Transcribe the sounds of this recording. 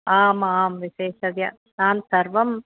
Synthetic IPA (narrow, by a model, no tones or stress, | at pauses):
aːmaːmʋɪseːsɐʋja | naːnsɐɾʋɐm